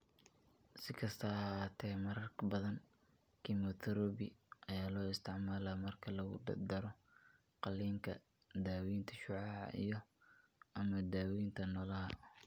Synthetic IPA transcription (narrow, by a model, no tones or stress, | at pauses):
sɪkʰɐst̪ʰɐɐɦaːt̪ʰɛːmɐɾɐrkbɐðɐn | kʰimɔt̪ʰɐɾɔːbɪʔɐjaːlɔːɪst̪ʰɪʕmaːlaːmɐrkʰɐlɐɣʊ̰d̪ɐ̰d̪ɐɾɔ | qɑliːŋkʰɐ | d̪aːwiːnt̪ʰɐʃʊʕɑːʕɑ̰ʔḭjɔ | ʔɐmɐd̪aːwint̪ʰɐnɔːlɐɦɐ